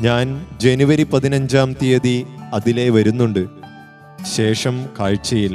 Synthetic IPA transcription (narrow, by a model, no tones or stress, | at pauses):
ɲaːnd͡ʑe̞nuʋɐɾipɐðinɐɲd͡ʑaːmt̪ijɐðiɐðile̞ːʋɐɾunːuɳɖɨ | ɕe̞ːʂɐmkaːɻt͡ɕːɐjilːɐ